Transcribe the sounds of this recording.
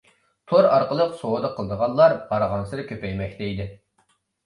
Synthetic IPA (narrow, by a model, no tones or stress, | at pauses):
t̪ʰoɾɑɾqəlˠəqsowəd̪ɑqʰəlˠd̪əʁɑnlˠɑɾbɑɾəʁɑnsɨɾɨkʲʰøpɛjmɛkʲt̪ʰɛid̪ɪ